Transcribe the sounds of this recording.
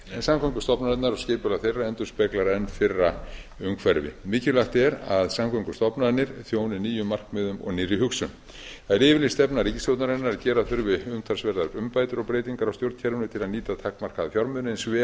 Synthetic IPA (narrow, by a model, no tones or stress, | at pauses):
ɛsamkʰɔŋkʏst̪ɔpnaðɛt̪naɾɔɣscɪːpʏlaθejrːaɛnt̪ʏɾ̥spɛklaɾɛnːfɪrːaʏŋkʰvɛɾvɪ̰mɪːcɪlaxt̪ɛɾaðsamkʰɔŋkʏst̪ɔpnaðnɪɾ̥θjoːwnɪniːjʏmːar̥kmɪðʏmɔ̰ɣnɪrɪɦʏksʏm | θaðɛɾɪːvɪlist̪ɛpnarɾiːcːɪsowt̪naɾɛnːaɾacɛːɾaθʏɾvɪʏmt̪ʰaɾsvɛɾðaɾʏmpaːjt̪ʏɾɔɣpɾejt̪iŋkaɾawst̪jowɾt̪cʰɛɾvʏnʏt̪ʰɪlaniːt̪at̪ʰakmar̥kaðafjɔɾmʏðnɪnsvɛ